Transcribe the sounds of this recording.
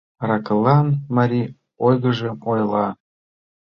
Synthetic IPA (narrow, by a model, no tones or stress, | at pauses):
rɑkəlːɑnmɑɾʲi | ojɣə̆ʒĕojlˠɑ